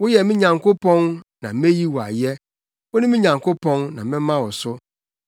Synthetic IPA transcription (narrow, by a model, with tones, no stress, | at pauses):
wʊ˦jɛ˨mɪ̃˦ɲã˨ŋko˦pʰɔ̃˦nnã˨mẽ˦ji˦wɔ˨a̰˨jɛ˦ | wʊ˦nɪ̃˦mɪ̃˦ɲã˨ŋkʰo˦pʰɔ̃˦nnã˨mɪ̃˦mã˦wɔ˨sʊ˦